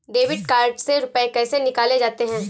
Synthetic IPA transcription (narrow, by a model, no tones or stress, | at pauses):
ɖeːʋɪɖ̚kaːɾɖseɾʊpəekɛːsenɪkaːled͡ʒaːt̪eɦɛ̃ː